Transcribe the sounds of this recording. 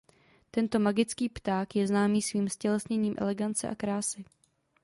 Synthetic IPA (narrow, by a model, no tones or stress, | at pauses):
t̪ɛnt̪o̞maɡɪt͡skiːpt̪aːkjɛznaːmiːsviːmscɛlɛsɲɛɲiːmʔɛ̰lɛɡant͡sɛʔa̰kɾaːsɪ